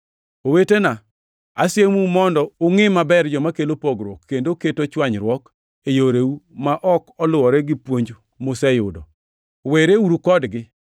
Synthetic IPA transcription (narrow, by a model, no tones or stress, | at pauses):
owetena | a̰sjemumɔndɔʊŋɪmabɛrd͡ʒɔmakelopɔɡɾwokːendoketot͡ʃwaɲɾwɔk | ejoɾeumaʔɔkɔlʊwɔɾɛɡɪpwoɲd͡ʒ | mosɛjʊdɔ | weɾeuɾukɔdɡɪ